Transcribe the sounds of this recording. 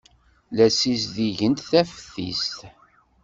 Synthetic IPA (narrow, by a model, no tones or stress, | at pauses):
læsis̬ðiʝənt̪θæfəθḭst̪